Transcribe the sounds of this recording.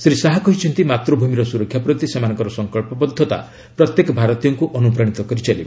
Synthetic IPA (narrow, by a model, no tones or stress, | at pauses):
sɾisaɦakɔɦit͡ʃʰɔnt̪imat̪ɾɔbʱumiɾɔsuɾɔkʰjapɾɔt̪isemanɔ̃ŋkɔɾɔsɔŋkɔɭpɔpɔd̪ʱːɔt̪a̰ | pɾɔt̪jekɔbʱaɾɔt̪ijɔŋkuʔɔnup̬ɾaɽ̃it̪ɔkɔɾit͡ʃalibe